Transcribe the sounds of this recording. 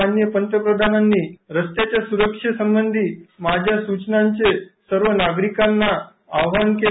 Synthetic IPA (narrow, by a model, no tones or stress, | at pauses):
anjəpənt̪ɾəpɾəd̪ʱananːiɾəst̪et͡ʃasuɾəkʃəsə̃mbənd̪ʱimad͡ʒasut͡ʃnãɲt͡ʃesəɾʋənaɡɾikanːa | aʋʋanke